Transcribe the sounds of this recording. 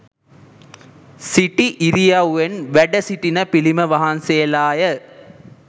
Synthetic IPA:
siʈiʔiɾijauenʋæɖɐsiʈinɐpiliməʋɐɦɐnsejɐlaːjə

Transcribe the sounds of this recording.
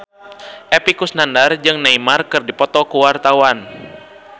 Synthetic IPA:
ʔɛpikusnandard͡ʒɨŋnaimarkɨrdipɔt̪ɔkuwart̪awan

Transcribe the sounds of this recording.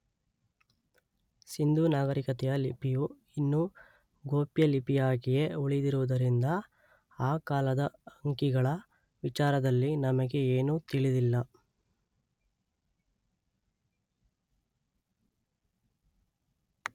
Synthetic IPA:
sind̪uːnaːɡɐɾikɐt̪ɛjɐlipiju | inːu | ɡo̞ːpjɐlipijaːɡije̞uɭid̪iɾuʋɐd̪ɐɾind̪ɐ | aːkaːlɐd̪ɐɐŋkiɡɐɭɐ | ʋit͡ʃaːɾɐd̪ɐlːinɐmɐɡe̞eːnut̪iɭid̪ilːɐ

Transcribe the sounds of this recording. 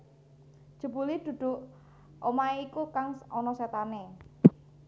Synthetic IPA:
ʒ̥ṳb̥ulid̪̥ṳd̪̥ʊ̤ʔ | omaeikukaŋɔnɔset̪ane

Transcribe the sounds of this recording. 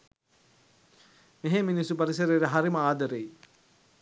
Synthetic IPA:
meɦeminisupɐɾis̬ɐɾeɾəɦaɾiməaːd̪ɐɾej

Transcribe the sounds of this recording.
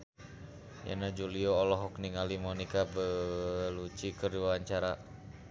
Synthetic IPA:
ja̰nad͡ʒuliɔːlɔɦɔkniŋalimɔnikabəlut͡ʃikəriwaɲt͡ʃaɾa

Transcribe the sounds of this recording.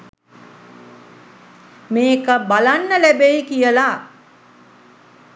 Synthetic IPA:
meːkəbalanːəlæbejkijəla

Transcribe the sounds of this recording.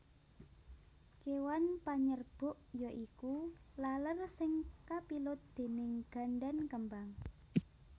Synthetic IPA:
kewanpaɲərb̥ʊ̤ʔjɔʔikulalərsɪŋkapilʊt̪̚d̪̥e̤nɪŋɡ̥a̤nɖankəmbaŋ

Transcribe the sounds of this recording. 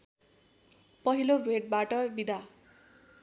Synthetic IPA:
pʌɦilobʱeʈ̚baʈʌbid̪ʱa

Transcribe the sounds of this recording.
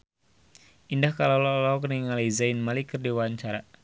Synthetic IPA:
ʔindahkalalɔlɔɔk̬əniŋalizajnmalikərdiwaɲt͡ʃaɾa

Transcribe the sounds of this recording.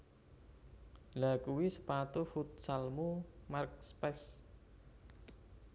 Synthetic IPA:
lakuwisə̥pat̪ufut̪̚salmumark̚spɛs

